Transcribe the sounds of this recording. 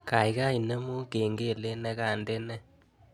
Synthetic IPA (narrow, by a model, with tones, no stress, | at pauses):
ka˨i˨˦ka˦i˨ne˦mo˦ke˨ŋɡe˦˨le˦nɛ˦ka˨nde˦nɛ˦